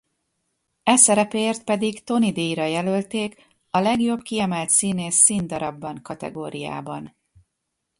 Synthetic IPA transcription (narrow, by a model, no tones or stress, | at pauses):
ɛsɛɾɛpeːrt̪̚pɛd̪iɡt̪o̞nid̪eːjɾɒjɛlølt̪eːk | ɒlɛɡjo̞bkiɛmɛlt̪siːneːsːiːnd̪ɒɾɒbːɒŋkɒt̪ɛ̰ɡoːɾija̰ːbɒn